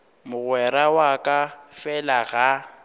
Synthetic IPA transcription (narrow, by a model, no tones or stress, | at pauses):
mʊɣwɛɾawakʼafɛlaɣa